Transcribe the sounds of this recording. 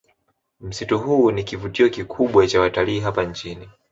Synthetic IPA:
m̩situɦuːnikivutiɔkikʰuɓwat͡ʃawataliːɦapaɲt͡ʃini

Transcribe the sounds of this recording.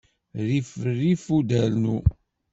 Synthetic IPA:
ɾifərːifud̪ælnu

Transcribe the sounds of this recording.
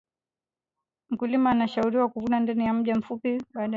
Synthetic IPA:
m̩kulimaːnaʃauɾiwakuvunandɛnɛjam̩ʄam̩fupiɓaːɗa

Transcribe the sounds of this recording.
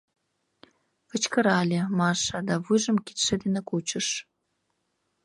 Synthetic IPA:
və̆t͡ɕkə̆ɾɑlʲemɑʃɑd̪ɑvujʒə̆mki̥t̪ʃĕd̪enekut͡ɕə̆ʃ

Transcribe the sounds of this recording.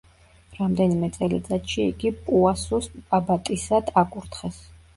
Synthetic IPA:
ɾamd̪ɛnimɛt̪sʼɛlḭd̪zʼat̪ʃiːɡipʼuasuspʼabat̪ʼisad̪akʼuɾt̪ʰχɛs

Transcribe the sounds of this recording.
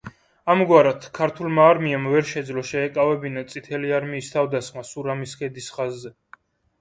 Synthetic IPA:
amɡwaɾat̪ʰkʰaɾt̪ʰulˠmaːɾmiamvɛɾʃɛd̪zlɔʃɛːkʼavɛbinat̪sʼit̪ʰɛliaɾmiːst̪ʰavd̪asχmasuɾamiskʰɛd̪isχazːɛ

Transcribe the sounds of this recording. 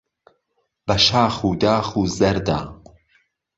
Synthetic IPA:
b̥ɐʃaːχuːd̪aːχuːzɐɾd̪a̰ː

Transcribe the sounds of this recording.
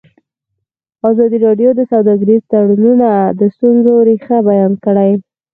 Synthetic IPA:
azɑd̪iɾɑɖjod̪əsawd̪ɑɡɾizt̪aɽununad̪əst̪unzoɾixabajɑnkəɽaj

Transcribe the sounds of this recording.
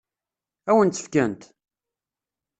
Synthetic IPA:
æwənt̪ːəfkænt̪

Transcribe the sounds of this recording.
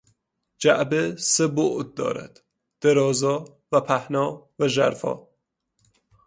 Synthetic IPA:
d͡ʒæʔbeseboʔd̪̚d̪ɒ̰ːɾæ̰d̪̥ | d̪̥eɾɒːzɒː | væpʰæhnɒːvæʒæ̰ɾfɒ̰ː

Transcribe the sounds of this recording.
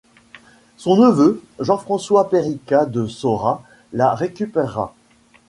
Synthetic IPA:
sɔ̃nəvøʒɑ̃fχɑ̃swapeʁikad̪əsɔʁa | laʁekʲypeʁːa̰

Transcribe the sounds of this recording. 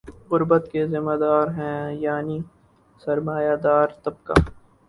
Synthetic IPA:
ɣʊɾbət̪kezɪmaːd̪aːɾɦɛ̃jaːni | sɐɾmaːjaːd̪aːɾt̪ɐbka̰ː

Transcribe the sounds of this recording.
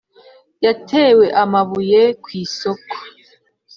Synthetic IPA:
jatʰeweʔamaβujekwiːsokʰo̥

